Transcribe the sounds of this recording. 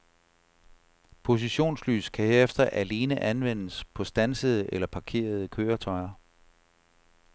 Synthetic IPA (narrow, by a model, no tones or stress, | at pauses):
pʰo̝s̬iɕo̝̰ːnsly̰ːskʰæhe̝ɐefd̥ɐʔæle̝ːnəʔænʋen̰əspʰɒ̽sd̥ænsəð̞ˠəʔelɐpʰɑ̈kʰe̝̰ːɐð̞ˠəkʰøːɐt͡sʰɒ̽ɪɐ